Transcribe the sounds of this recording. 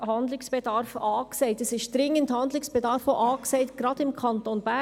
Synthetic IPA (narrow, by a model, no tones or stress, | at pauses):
hɑndlɪksb̥ɛdɑɾfɑːkseɪtɛsɪʃd̥ɾɪŋːənthɑndlɪksb̥ɛdɑɾfoʔɑːkseɪtɡ̥ɾɑdɪmkʰɑntonbæ